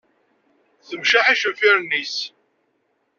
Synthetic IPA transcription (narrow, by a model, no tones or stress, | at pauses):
θəmʃaħaʃəfiɾnːis